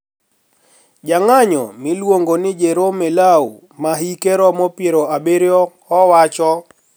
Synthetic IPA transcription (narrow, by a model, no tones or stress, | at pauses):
d͡ʒaŋaɲɔ̰mɪlwoŋɡonɪd͡ʒeɾomelaṵ | maɦikeɾɔmɔpjeɾoabeɾjɔhɔwat͡ʃɔ